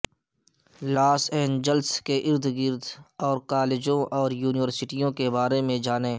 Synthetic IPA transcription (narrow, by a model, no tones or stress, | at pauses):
laːsɛ̃ːnd͡ʒəlskeʔɪɾd̪ɡɪɾd̪ɔːɾkaːled͡ʒõʔɔːɾjuːnɪʋəɾsɪʈijõkebaːɾemẽd͡ʒaːneː